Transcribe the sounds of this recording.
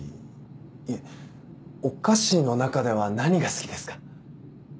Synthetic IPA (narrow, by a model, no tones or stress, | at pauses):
e | o̞kaɕino̞nakad̪e̞β̞anaɲ̟iɡasɨ̥kʲid̪e̞sɨ̥kḁ